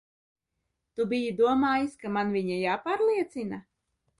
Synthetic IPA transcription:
t̪ubijid̪uɔmaːjiskamanviɲajaːpaːɾlˠiɛt̪sina

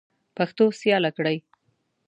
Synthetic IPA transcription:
paxt̪osjɑlakɽaj

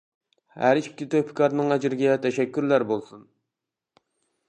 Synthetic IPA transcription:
hæ̰ɾɪt͡ʃi̥p̚ʲkʲʰit̪ʰopʰɪ̥kʰɑɾnɨŋæd͡ʒɪɾɪɡʲɛt̪ʰɛʃɛkʲːyɾlæɾbolˠsun

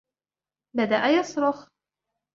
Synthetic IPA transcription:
bad̪aʔajɑsˤɾʊx

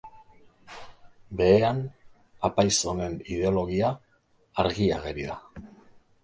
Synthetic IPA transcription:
be̞ean | apajso̞ne̞nið̞e̞o̞lo̞ɣiaː | ɾɣiaɣeɾiða

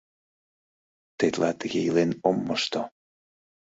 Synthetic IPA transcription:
t̪et̪lɑt̪əɣeilenomːəʃt̪o

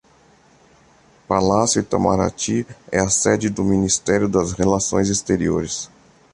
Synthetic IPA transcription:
palasjʊɪt̪a̰ma̰ɾa̰t͡ʃiɛɐsɛd͡ʒɪd̪ʊminist̪ɛɾjʊd̪ɐzhelasõ̰j̃zist̪eɾioɾɪs

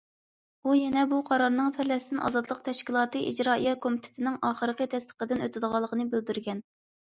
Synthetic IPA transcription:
ujɛnɛbuqʰɑɾɑɾnɨŋpʰæɾlɛsɪd̪ɪnʔɑ̰zɑd̪lˠəq̚t̪ʰɛʃkʲilˠɑːt̪ɨʔid͡ʒɾɑːijɛkʰomit̪ʰɪ̥t̪ʰɪnɪŋɑːχəɾəqət̪ʰɛst̪ə̥qəd̪ɪnøt̪ʰɪd̪əʁɑlˠːəqʰənɨbøld̪yɾɡʲɛn

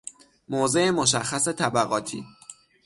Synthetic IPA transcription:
moːze̞ʔemoʃ̬æxːæse̞t̪ʰæbæɣɒːt̪ʰḭː

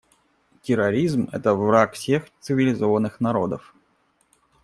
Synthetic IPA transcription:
tʲɪɾɐɾʲizmɛ̰t̪əvɾakfsʲext̪sɨvʲɪlʲɪzo̞vənːɨxnɐɾo̞d̪əf

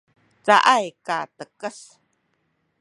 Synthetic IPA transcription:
t͡saʔajkat̪əkəs

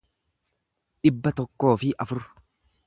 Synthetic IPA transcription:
ᶑɪbːɐt̪ɔkːo̞ːfɪʔɐfʊr

